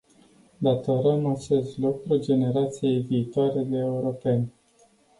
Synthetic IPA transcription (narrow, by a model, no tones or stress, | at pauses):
d̪at̪oɾəmat͡ʃe̞st̪lokuld͡ʒe̞ne̞ɾat̪sije̞jviːt̪oaɾe̞d̪eːuɾo̞pe̞nʲ